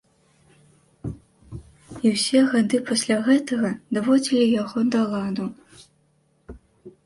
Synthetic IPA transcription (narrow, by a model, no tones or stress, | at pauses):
iwsʲɛɣad̪ɨpasʲlʲaɣɛt̪ɐɣɐd̪avɔd͡zʲilʲijaɣɔd̪alˠad̪u